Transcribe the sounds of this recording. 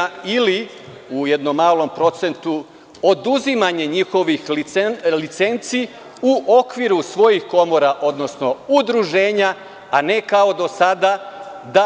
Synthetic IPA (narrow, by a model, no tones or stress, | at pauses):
ili | ujed̪nomːaːlˠo̞mpɾo̞t̪se̞nt̪u | od̪uzimaɲe̞ɲixo̞ʋix | lit̪se̞nt̪si | uʔo̞kʋiɾusʋo̞jixko̞mo̞ɾaʔo̞d̪no̞sno̞ud̪ɾuʒe̞ːɲaː | ne̞kao̞d̪o̞sad̪ad̪a